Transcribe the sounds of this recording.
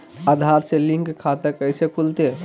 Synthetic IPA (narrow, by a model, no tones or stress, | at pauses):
ad̪ʱaɾselĩŋkkʰːat̪əkəjsekʰult̪e